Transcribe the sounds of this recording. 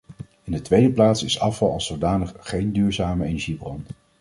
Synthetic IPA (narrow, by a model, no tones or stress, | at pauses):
ɪndətʋejdəplaːtsɪsɑfɑlˠɑ̰lˠsowdaːnəχːejndyːɹzaːməejnɛɹʒibrɔn